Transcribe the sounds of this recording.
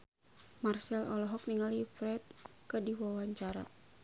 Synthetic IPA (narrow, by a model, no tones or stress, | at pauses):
marsɛlɔlɔɦɔk̚niŋalifɾɛt̪̚kədiwawaɲt͡ʃaɾa̰